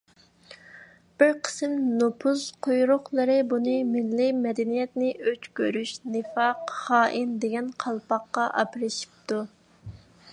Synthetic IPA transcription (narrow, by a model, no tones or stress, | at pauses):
b̥ɪɾqʰə̥sɨmnopʰuzqʰojɾʊχlˠɨɾɨbunɨmɪlːimɛd̪ɛnijɛt̪nɪʔøt͡ʃkʲʰøɾyʃnɨfɑqχɑːʔind̪eɡʲɛnqʰɑlˠpɑqːɑʔɑ̰pɾɨʃi̥p̚t̪u